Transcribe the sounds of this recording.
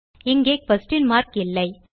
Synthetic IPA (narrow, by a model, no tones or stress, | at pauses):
ɪŋɡeːk̚pɐsʈɪnmaːɾkɪlːɐɪ